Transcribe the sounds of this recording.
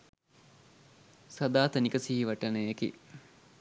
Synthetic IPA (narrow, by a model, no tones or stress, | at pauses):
sɐd̪aːt̪ənikəsiɦiʋɐʈənəjekḭ